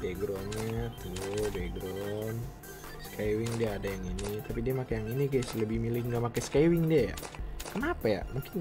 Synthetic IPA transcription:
deɡɾɔnɲat̪ulodeɡɾɔn | skawɪŋdiaːdajaŋinit̪apidiamakajaŋiniɡajsləbɪhmilɪŋɡamakajsə̥kajwɪŋdiaja̰kənapaja̰muŋkɪn

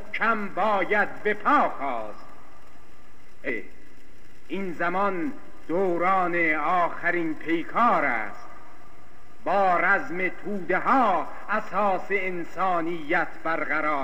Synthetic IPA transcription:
t͡ʃʰæmbɒːjæd̪̚be̞pʰɒːkʰɒːst̪ | ʔe | inzæmɒn | d̪̥oːɾɒːneɒːxæɾinpʰe̞jkʰɑːɾæ̰ːst̪ | bɒːɾæzmet̪ʰuːd̪eɦɒː | æsɒːseːnsɑːnijːæt̪ʰb̥æɾɣæɾɒːɾ

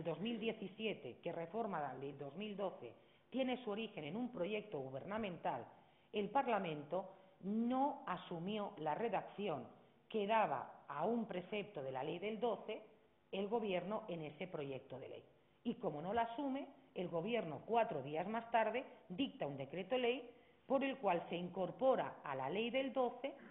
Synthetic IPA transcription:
ld̪ozmild̪je̞θisje̞t̪eke̞re̞fo̞ɾmaðad̪eld̪o̞zmild̪o̞θḛ | t̪jene̞suo̞ɾixe̞nenũmpɾo̞ʝe̞k̚t̪oɣuβ̞e̞ɾnamẽnt̪al | e̞lpaɾlamẽnt̪onoasumjo̞lareðakθjo̞ŋ | ke̞ðaβ̞a̰ːumpɾe̞θe̞p̚t̪oð̞e̞lale̞jðe̞ld̪o̞θe̞ | elɣo̞β̞je̞ɾnoʔe̞ne̞se̞pɾo̞ʝe̞k̚t̪oðe̞̰lḛj | iko̞mono̞laːsume̞ːlɣo̞β̞je̞ɾnokwat̪ɾoð̞iazmast̪aɾðe̞d̪ik̚t̪aund̪e̞kɾe̞t̪ole̞j | po̞ɾe̞lkwalse̞iŋko̞ɾpoɾa̰alale̞jðe̞ld̪o̞θe̞

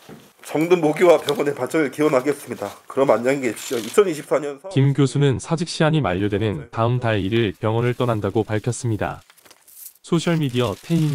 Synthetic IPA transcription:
t͡ɕʌŋdɯnmoɡowapjʌŋʌne̞pat͡ɕʰʌŋɯɭkiwʌnɦaɡes͈ɯmɲidakɯɾʌmanɲːaɡiɡeɕip̚ɕ͈ioit͡ɕʰʌniɕʰip̚s͈aɲʌnkimɡjosʰunɯnsʰad͡ʑik̚ɕ͈iaɲimaʎːodwe̞nɯntaɯmdaeiɾɯɭpjʌŋʌnɯɭt͈ʌnandaɡopaɭkʰjʌs͈ɯmɲida̰ | sʰoɕʰʌɭmidiʌtʰe̞in

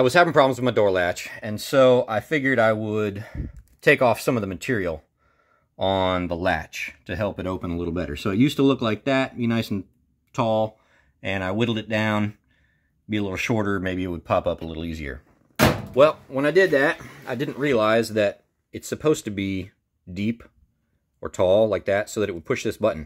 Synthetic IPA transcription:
aɪwʌz̥hævɪ̃ŋpʰɹ̥ɑbl̩mzwənmaɪdɔɹlæt͡ʃɨ̃nsoʊʔaɪfɪɡjə˞ɾaɪwəd | tʰeɪkɔfsʌ̃mʌvðəmɨtʰɪɹil̩ˠ | ə̃nðəlæ̰t͡ʃtʰɨɦɛlˠpɨɾoʊpə̃nəlɪɾl̩ˠbɛɾə̰˞soʊɨtjʉstəlʊklaɪk̚ðæt̚b̥inaɪsn̩ | tʰɔlˠ | ɨ̃ñaɪwɪɾl̩ˠdɨt̚d̥ãʊ̃n | biəlɪɾl̩ˠʃɔɹɾə˞meɪbiɨt̚wəd̚pʰɑpʌpəlɪɾl̩ˠiziə̰˞ | wɛlˠwə̃ñaɪdɪd̪̚ðɨɾʔaɪdɪdⁿn̩ʔɹiəlaɪzðɨɾ | ɨtsɨpʰoʊz̥tʰɨbi | dip | ə˞tʰɔlˠlaɪk̚ðætsoʊðɨɾɨt̚wəd̚pʰʊʃðɪsb̥ʌʔn̩

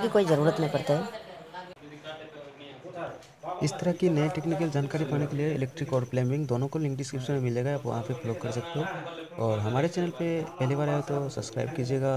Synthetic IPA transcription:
kikoːizɐɾuːɾət̪nɐɦĩpɐɾt̪eɦɛː | ɪst̪ɐɾəkinɐeʈeːknɪk̬əld͡ʒaːnkaːɾipaːnekelieɪleːk̚ʈɾɪkɔːɾpleːmɪ̃ŋɡd̪oːnõkolɪ̃ŋk̚ɖɪskɾɪpsmẽmɪleːɡaaːpʋɐ̰ɦãpʰefʰloːɡ̚kːɐɾsɐk̚t̪eɦo | ɔːɾɦɐmaːɾet͡ʃɛːnəlpepɛɦlibaːɾaet̪osɐbskɾa̰ːɪb̚kiːd͡ʒieːɡa

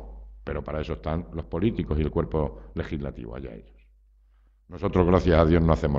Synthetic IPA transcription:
pe̞ɾo̞paɾae̞so̞est̪anlo̞spo̞lit̪iko̞sielkwe̞ɾpo̞le̞xizlat̪ḭβa̰ja̰ḛʎos | no̞so̞t̪ɾoɣɾaθjasaðjo̞znoaθemo

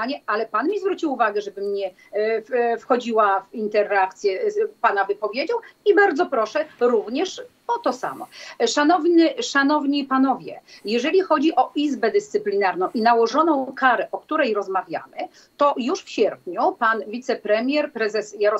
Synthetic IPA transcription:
aɲɛalɛpanmʲizvɾut͡ɕiwuvaɡɛʐɛbɘmɲɛ | ffxɔd͡ʑiwafint̪ɛɾak̚t̪sʲjɛpanavɘpɔvʲjed͡ʑawibaɾd̪zɔpɾɔʂɛɾuvɲɛʂ | ɔt̪ɔsa̰mɔ̰ʂanɔvɲɘʂanɔvɲipanɔvʲjɛ̰jɛʐɛlʲixɔd͡ʑiʔɔʔizbɛd̪ɘst̪sɘplʲinaɾnɔ̃w̃ʔinawɔʐɔnɔ̃w̃kaɾɛʔɔkt̪uɾɛjɾɔzmavʲja̰mɘ | t̪ɔjuʂfɕɛɾpɲupanvʲit̪sɛpɾɛmʲjɛɾpɾɛzɛsjaɾɔ

